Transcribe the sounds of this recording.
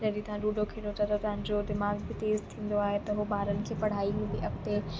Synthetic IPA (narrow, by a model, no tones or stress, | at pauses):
d͡ʑɐɗit̪ɐʋ̤ãɖuːɖokʰeɽot̪ʰɐt̪ɐt̪ɐʋãɲd͡ʑod̪ɪmaːɡbɪt̪eːzt̪ʰĩːn̆d̪oaːɦet̪ɐɦubaːɾənɪ̆kʰeːpɐɽ̤aːiɦũːnd̪iʔɐk̚t̪e